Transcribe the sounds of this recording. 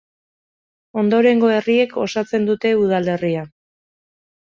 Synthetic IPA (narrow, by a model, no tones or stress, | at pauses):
o̞nd̪o̞ɾe̞ŋɡo̞e̞rie̞ko̞sat͡se̞nd̪ut̪e̞uð̞ale̞ria